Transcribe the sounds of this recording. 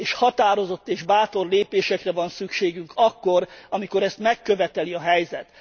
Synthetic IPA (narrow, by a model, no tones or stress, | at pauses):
eːʃhɒt̪aːɾo̞zo̞t̪ːeːʒbaːt̪o̞rleːpeːʃɛkrɛvɒnsykʃeːɡyŋkʰɒkːo̞ɾɒmiko̞ɾɛst̪mɛkːøvɛt̪ɛliɒɦɛjzɛt̪